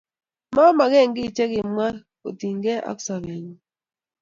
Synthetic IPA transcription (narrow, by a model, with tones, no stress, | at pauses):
ma˦ma˨ɡɛ˦˨ŋɡɪ˦˨t͡ʃɛ˦ɡɪ˨m˦a˦ | o̰˨ti˨ŋɡɛ˦ʔa̰˦ksa˨βɛ˨ɲu˨